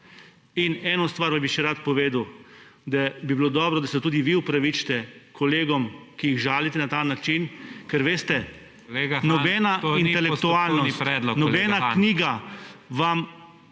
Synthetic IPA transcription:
inɛːnɔst̪ʋaːɾʋambiʃɛɾat̪pɔʋeːd̪wd̪abibilod̪ɔːbɾɔd̪asɛt̪uːd̪iʋiupɾaʋit͡ʃt̪ɛkʰɔleːɡɔmkijiɣʒaːlit̪ɛnat̪aːnat͡ʃinkɛɾʋeːst̪ɛ | leɡanɔbɛːnatinɛlɛkkt̪uaːlnɔsiɾɛd̪lɔnɔbɛːnakniːɡaʋam

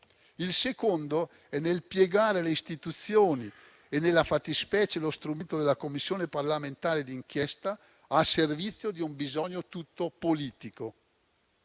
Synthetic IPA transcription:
ilsekond̪o | ɛnelpjeɡaːɾeleist̪it̪ut̪sːjoːni | enːelːafat̪ːispɛːt͡ʃelost̪ɾument̪od̪elakomːisːjoːneparlament̪aːɾed̪iŋk̟jɛst̪a | aservit̪sːjod̪iumbizɔɲːot̪ut̪ːopoliːt̪iko

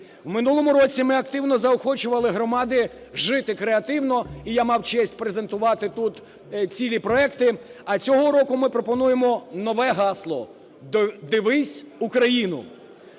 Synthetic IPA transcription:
wmɪnulˠɔmʊɾɔt͡sʲimɪɐkt̪ɪwnɔzɐɔxɔt͡ʃʊʋɐlˠɪɦɾɔmɑd̪ɪ | ʒɪt̪ɪkɾeɐt̪ɪwnɔijamɑwt͡ʃɛsʲtʲpɾeze̞nt̪ʊʋɑt̪ɪt̪ut̪ | t͡sʲilʲipɾɔɛkt̪ɪɐt͡sʲɔɦɔɾɔkʊmɪpɾɔpɔnujemɔnɔʋɛɦɑslˠɔ̰ | d̪ɪʋɪsʲ | ukɾɐjinʊ̰

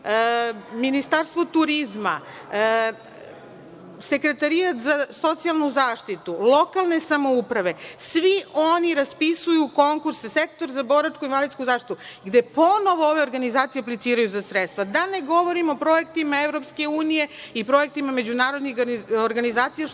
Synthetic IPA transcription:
minist̪aɾst̪ʋo̞t̪uɾizma̰ | se̞kɾe̞t̪aɾijat̪zaso̞t̪sijalˠnuzaːʃt̪it̪ulˠo̞kalˠne̞samo̞upɾaʋe̞sʋiʔo̞niɾaspisujuko̞ŋkuɾssekt̪o̞ɾzabo̞ɾat͡ʃkuinvaliskuzaːʃt̪it̪uɡd̪epo̞no̞ʋooʋe̞o̞ɾɡanizaːt̪sijeaplit̪siːɾajuzasɾet̪st̪ʋad̪ane̞ɡo̞ʋo̞ɾimo̞pɾo̞e̞kt̪imaevɾo̞pske̞uːnije̞ipɾo̞e̞k̚t̪imame̞d͡ʑunaːɾo̞d̪nioɾɡanizaːt̪sija

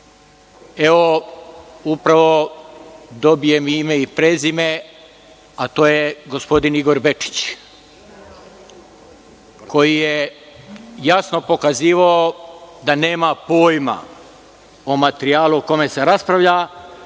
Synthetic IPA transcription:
e̞ʋo̞ | upɾaʋo̞ | d̪o̞bije̞mime̞ipɾeːzime̞ | at̪oːjeɡo̞spo̞d̪iniɡo̞ɾbe̞t͡ʂi̥t͡ɕ | ko̞jije | jasno̞po̞kaziːʋaod̪ane̞ːmapo̞ːjma̰ | omat̪eɾiaːlˠuoko̞me̞se̞ɾaspɾaʋʎa

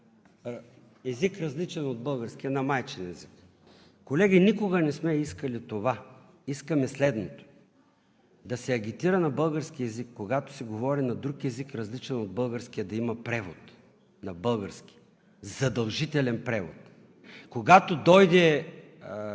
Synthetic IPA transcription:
ɛzikɾɐzlit͡ʃɛnod̪̚bɤlˠɡəɾsk̟ijɐnɐmajt͡ʃɛnɛzik | kːolɛɡʲinikoɡɐnɛsmɛiskəlit̪ova | iskəmɛslɛd̪not̪o̥ | d̪ɐsɛɐɡ̟ʲit̪iɾənɐbɤlˠɡəɾsk̟iɛzikːoɡat̪o̥sɛɡovɔɾinɐd̪ɾukɛzikɾɐzlit͡ʃɛnod̪̚bɤlˠɡəɾskijəd̪ɐimɐpɾɛvot̪ | nɐbɤlˠɡəɾskʲi̥ | zɐd̪ɐlˠʒit̪ɛlɛnpɾɛvo̰t̪ | koɡat̪od̪ɔjd̪ɛ

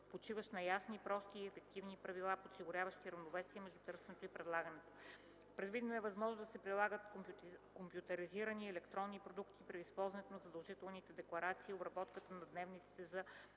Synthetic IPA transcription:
pot͡ʃivəʃnɐjasnipɾɔst̪iːɛfɛk̚t̪ivnipɾɐvilˠaposiɡʊɾʲavəʃt̪iɾɐvnovɛsiəmɛʒd̪ut̪ɤɾsɛnɛt̪oipɾɛd̪lˠaɡənɛt̪o̥ | pɾɛd̪vid̪noɛvɐzmɔʒnod̪ɐsɛpɾilˠaɡət̪kompjʊt̪ɐɾiziɾəniɛlɛkt̪ɾɔnːipɾod̪ukt̪ipɾɛispɔlˠzɐnɛt̪onɐzɐd̪ɐlˠʒit̪ɛlˠnit̪ɛd̪ɛklˠɐɾat̪siːobɾɐbɔt̪kət̪ənɐd̪nɛvnit̪si̥t̪ɛzɐ

